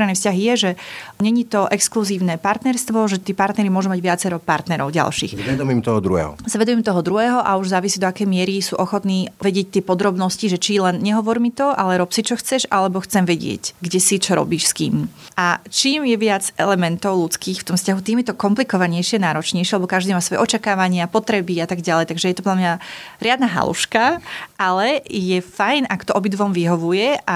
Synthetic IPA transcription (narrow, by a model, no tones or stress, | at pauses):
ɾɛnifscaɣjɛʒɛɲɛɲit̪ɔʔɛkskluziːʊnɛpaɾt̪nɛɾst̪ʋɔʒɛt̪iːpaɾt̪nɛɾimʊɔʒumaɟʋɪat͡sɛɾɔpaɾt̪nɛɾɔ̰ʊɟa̰lʃḭːxʋɛd̪ɔmimt̪ɔɦɔd̪ɾuɦɛ̰ːɦɔ̰zʋɛd̪ɔmiːmt̪ɔɦɔd̪ɾuɦɛːɦɔʔauʒzaːʋisiːd̪ɔakɛjmɪɛɾisṵːʔɔxɔt̪niːʋɛɟɪɛc̚t̪iɛpɔd̪ɾɔbnɔsciʒɛt͡ʃilɛnɲɛɦɔʋɔɾmit̪ɔʔalɛɾɔpsit͡ʃɔxt͡sɛʒalɛbɔxt͡sɛmʋɛɟɪɛ̰cɡɟɛsit͡ʃɔɾɔ̰biːʃskḭːmʔat͡ʃiːmjɛʋɪad͡zʔɛ̰lɛmɛnt̪ɔʊlut͡skiːxft̪ɔmscaɦut̪iːmjɛt̪ɔkɔmplikɔʋaɲɛjʃɪɛanaːɾɔt͡ʃɲɛjʃɪalɛbɔkaʒd̪iːmaːsʋɔjɛ̰ʔɔt͡ʃakaːʋaɲɪapɔt̪ɾɛbiat̪aɡɟalɛjt̪aɡʒɛjɛt̪ɔpɔdlʎamɲaɾɪad̪naɦa̰lṵʃkaʔalɛjɛfajnakt̪ɔʔɔbid̪ʋɔmʋiɦɔʋujɛʔa